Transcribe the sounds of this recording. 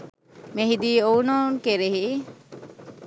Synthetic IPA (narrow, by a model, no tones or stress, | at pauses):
meɦid̪iownɔnkeɾeɦi